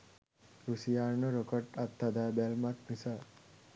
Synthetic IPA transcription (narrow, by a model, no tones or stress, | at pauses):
ɾusijaːɾnoɾokəʈat̪ːɐd̪aːbɛlmat̪misa